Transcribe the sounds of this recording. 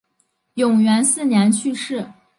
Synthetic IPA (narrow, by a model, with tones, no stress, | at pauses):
jʊ˨˩ŋɥɛ˧˥nsɹ̩˥˩njɛ˧˥nt͡ɕʰy˥˧ʂɻ̩˥˩